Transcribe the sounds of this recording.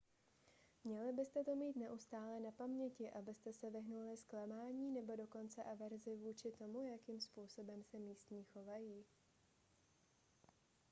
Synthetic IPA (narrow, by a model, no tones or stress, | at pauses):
mɲɛlɪbɪst̪ɛt̪omiːt̪nɛʔust̪aːlɛnapamɲɛcɪʔabɪst̪ɛsɛvɪɦnulɪsklɛmaːɲiːnɛbo̞do̞ko̞nt͡sɛʔavɛɾzɪvuːt͡ʃɪt̪o̞mujakiːmspuːso̞bɛmsɛmiːst̪ɲiːxo̞vajiː